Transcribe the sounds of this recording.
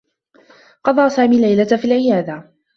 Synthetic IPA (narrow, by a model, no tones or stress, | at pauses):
qɑd̪ˤɑːsaːmiːlajlat̪fiːlʕɪjaːd̪a